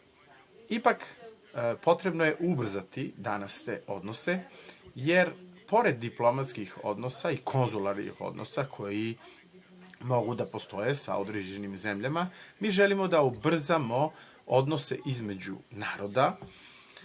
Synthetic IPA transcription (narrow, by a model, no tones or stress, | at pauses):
ipak | po̞t̪ɾe̞bno̞je̞ʔubr̩zat̪id̪anast̪ḛːʔo̞d̪no̞se̞je̞ɾpo̞ɾe̞d̪ːiplˠo̞mat̪skixo̞̰d̪no̞saikʰo̞nzulaɾnḭxo̰d̪nʔo̰sakʰo̞ji | moɡud̪apo̞st̪o̞je̞sa̰od̪ɾed͡ʑe̞nimze̞mʎamamiːʒe̞limo̞d̪aubr̩zamo̞ | od̪no̞se̞̰ʔizme̞d͡ʑṵnaːɾo̞d̪a